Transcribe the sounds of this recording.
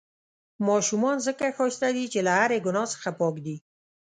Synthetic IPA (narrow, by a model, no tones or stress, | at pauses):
mɑʃumɑnzəkaxɑst̪ad̪it͡ʃelahaɾeɡʊnɑsə̥xapɑkd̪i